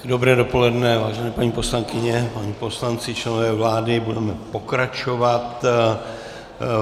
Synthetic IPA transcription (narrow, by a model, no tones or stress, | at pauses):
dobɾɛːdopo̞lɛdnɛvaːʒɛnɛːpaɲiːpo̞slaŋkɪɲɛpaɲipo̞slant͡sɪt͡ʃlɛnovɛːvlaːdɪbudɛmɛpo̞kɾat͡ʃo̞vat̪